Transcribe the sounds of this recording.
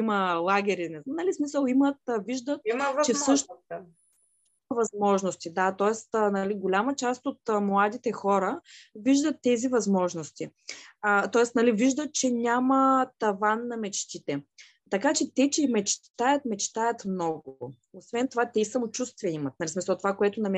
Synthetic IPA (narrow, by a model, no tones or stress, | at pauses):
iməlˠaɡʲɛɾinɛznɐlismisəlˠimət̪viʒd̪ət̪̚t͡ʃɛfsɤʃ | imɐvɐzmɔʒnost̪id̪at̪ɔɛst̪nɐliɡolʲamət͡ʃast̪ot̪mlˠad̪it̪ɛxɔɾəviʒd̪ət̪ːɛzivɐzmɔʒnost̪iət̪ɔɛst̪nɐliviʒd̪ət̪̚t͡ʃɛnʲamət̪ɐvanːɐmɛt͡ʃt̪it̪ɛ | t̪ɐkat͡ʃɛt̪ɛt͡ʃɛimɛt͡ʃt̪ajət̪mɛt͡ʃt̪ajɐt̪mnɔɡʊ | osvɛnt̪ovat̪ɛisɐmot͡ʃust̪viɛimɐt̪̚nɐlismisəlˠt̪ovakoɛt̪ʊnɐmʲ